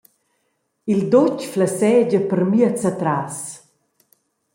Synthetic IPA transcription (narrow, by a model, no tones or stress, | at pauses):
ild̪ɔt͡ʃflasɛːd͡ʒəpəɾmiət͡sat̪ɾas